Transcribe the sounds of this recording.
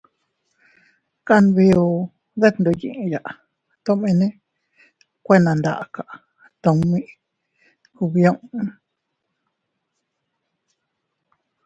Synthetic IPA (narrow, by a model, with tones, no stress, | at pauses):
ka˦˧nβi˧o˧ | ðe˦nd̪o˧jḭ̃˧˨ʔja˨ʔ | t̪õ˦mẽ˧nẽ˦ | kʷe˦nã˨˧nd̪a̰˧ʔa˧˨ka˨ʔ | t̪õ˨˧mĩ˦˧ | ku˧βjõ˦ʔũ˦